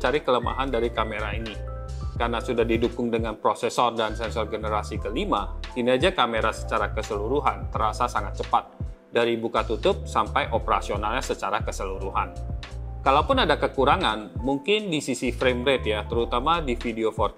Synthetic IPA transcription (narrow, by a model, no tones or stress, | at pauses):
t͡ʃaɾikələma̰ɦandaɾikameɾaini | karnasudahdidukʊŋdəŋanpɾosɛsɔrdansɛnsɔrɡənəɾasikəlimahinaad͡ʒakameɾasə̥t͡ʃaɾakəsəluɾuɦant̪əɾasasaŋat̪̚t͡ʃəpat̪̚ | daɾibukat̪ut̪ʊp̚sampajʔopəɾa̰sionalɲasət͡ʃaɾakəsəluɾuɦankalawpʊnadakəkuɾaŋanmuŋkɪndisisifɾemɾɛt̪jat̪əɾut̪amadifideofɔr